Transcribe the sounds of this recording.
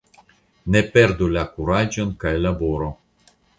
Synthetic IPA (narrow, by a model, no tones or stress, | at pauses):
ne̞pe̞ɾd̪ulakuɾad͡ʒo̞nkajlaboɾo